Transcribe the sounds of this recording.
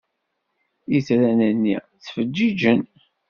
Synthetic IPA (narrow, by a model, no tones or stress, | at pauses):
jit͡sɾænənːi | t͡sːfəd͡ʒːid͡ʒən